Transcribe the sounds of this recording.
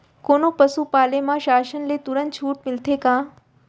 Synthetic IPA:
koːnopɐsupaːlemãʃaːʃənlet̪ʊɾə̃nt͡ʃʰuːʈmɪlt̪ʰekãː

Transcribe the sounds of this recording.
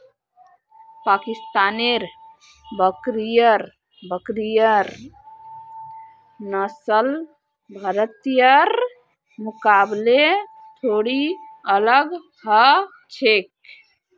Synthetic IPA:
paːkɪst̪aːneɾ | bəkɾijəɾ | bəkɾijəɾ | nəsəl | bʱəɾət̪ijəɾ | mʊkaːble | t̪ʰoːɽiələɡ | hə | t͡ʃʰek̚

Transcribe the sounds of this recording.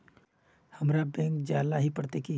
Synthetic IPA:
hɐmɾabɛ̃ːŋkd͡ʒaːlaɦipɐɽt̪eki

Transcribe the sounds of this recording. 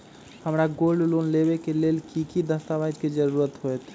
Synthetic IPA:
həmɾaɡoːlɖlonleʋekeleːlkikid̪əst̪aʋaːd͡ʒkid͡ʒəɾuːɾət̪ɦoet̪ʰ

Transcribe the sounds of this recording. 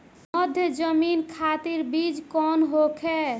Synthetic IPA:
məd̪ʱjəd͡ʒəminkʰat̪iɾbid͡ʒkɔnɦokʰe

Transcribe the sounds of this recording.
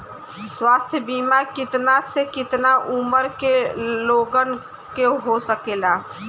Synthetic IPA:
swaːst̪ʰjəbiːmakɪt̪nasekɪt̪naʔʊməɾkeloːɡən | keɦosəkeːlaː

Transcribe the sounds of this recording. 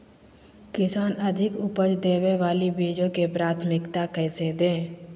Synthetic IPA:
kɪsaːnəd̪ʱɪkʊpəd͡ʒd̪eːʋeʋaːlibiːd͡ʒõkepɾaːt̪ʰmɪkt̪akɛːsed̪ẽː

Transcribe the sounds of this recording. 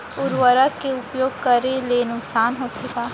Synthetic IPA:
ʊɾʋəɾəkeʊpjoːɡ̚kɐɾelenʊksaːnɦoːtʊkaː

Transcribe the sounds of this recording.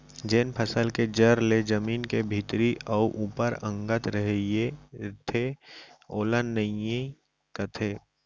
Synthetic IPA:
d͡ʒeːnpʰəsəlked͡ʒəɾled͡ʒəmiːnkebʱit̪ɾiʔɔʔuːpəɾə̃ŋɡət̪ɾəɦjet̪ʰe | oːlənːəje | kət̪ʰeː

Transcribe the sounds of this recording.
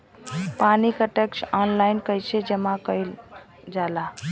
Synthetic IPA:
panikəʈeksanlajnkəjt͡ʃʰed͡ʒəmakəjl | d͡ʒala

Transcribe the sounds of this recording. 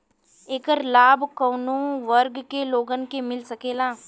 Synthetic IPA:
eːkəɾlaːbkɔːnõʋɐɾɡkeloːɡənkemɪlsɐkeːlaː

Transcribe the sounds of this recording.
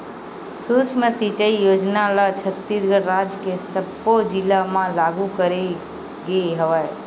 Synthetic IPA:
sut͡ʃmẽsit͡ʃəijoːd͡ʒnalat͡ʃʰət̪ːisɡəɾɾaːd͡ʒkesəbːod͡ʒilamãlaːɡukəɾe | ɡeɦəʋae

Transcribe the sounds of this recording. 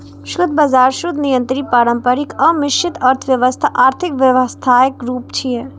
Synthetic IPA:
ʃʊd̪bɐzaːɾʃʊd̪nijə̃nt̪ɾipaːɾə̃mpəɾɪkɐmɪʃt͡ʃʰɪt̪ɐɾt̪ʰʋjɐʋəst̪ʰaʔaːɾt̪ʰɪkʋjɐʋəst̪ʰaːjəkɾuːpt͡ʃʰiɛ

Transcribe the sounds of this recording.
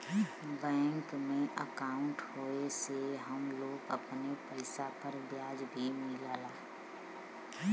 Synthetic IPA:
bɛ̃ːŋkmẽʔəkaːʊ̃ɳʈhoːeseɦɐmloːɡə̰pnepəɪsapəɾbjaːd͡ʒbʱimɪlaːlaː

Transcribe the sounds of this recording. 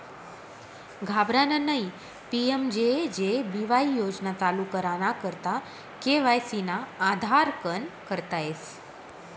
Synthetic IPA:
ɡʱabɾanənəi | piemd͡ʒed͡ʒebiʋaijod͡ʒnat͡salukəɾanakəɾt̪a | keʋajsinaːd̪ʱaɾkənkəɾt̪aes

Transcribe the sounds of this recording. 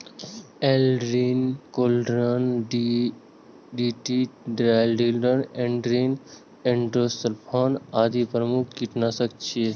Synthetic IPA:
elɾinkoːlɖɾən | ɖiːʈiɖɾaːlɖilɾənẽɳɖɾin | ẽɳʈɾost̪əlpʰonaːd̪ipɾəmukʰːiʈnasək̚t͡ʃʰie

